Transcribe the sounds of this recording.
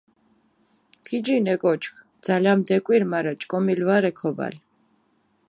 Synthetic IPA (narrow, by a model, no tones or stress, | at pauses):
kʰid͡ʒinɛkʼɔt͡ʃʰkʰd̪z̥alamd̪ɛkʼwiɾmaɾat͡ʃʼkʼɔmilvaɾɛkʰɔba̰l